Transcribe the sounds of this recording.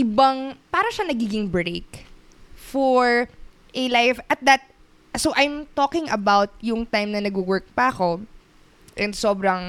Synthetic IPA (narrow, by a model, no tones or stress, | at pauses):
ʔɪbaŋpaːɾɐʃanɐɡiːɡɪŋbɹejk | fɔɹ | ʔɛlajfʔɐt̪̚d̪ɐt̪̚ | sowʔajmt̪oːkɪ̃ŋʔɐbawt̪̚jʊŋt̪ajmnɐnɐɡuwɛɹk̚pɐʔɐko̞ | ʔɛnd̪so̞ːbɾɐŋ